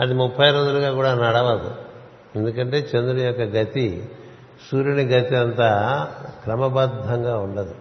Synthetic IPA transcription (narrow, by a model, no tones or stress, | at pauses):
ɐd̪imupʰːɐjɾond̪uluɡaːkuːɽaːnɐɽɐʋɐd̪ṵ | e̞nd̪ukɐɳʈe̞ːt͡ʃend̪unɐjɔkːɐɡɐt̪i | suːɾiniɡɐt̪iɐnt̪aːkɾɐmɐbɐd̪ʱːɐŋɡaːuɳɖɐd̪u